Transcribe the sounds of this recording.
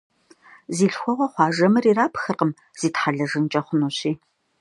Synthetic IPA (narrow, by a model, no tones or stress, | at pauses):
ziːɬxʷɔʁʷɐχʷɑːʒɐmɨriːraːpxɨrqəm | z̥iːtħaɮɐʒɨnt͡ʃʼɐχʷʊnuɕiː